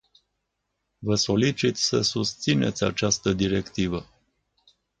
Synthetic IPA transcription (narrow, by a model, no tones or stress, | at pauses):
vəso̞lit͡ʃit̪ʲsəsust̪sine̞̰t̪sʲa̰t͡ʃast̪əd̪iɾe̞kt̪ivə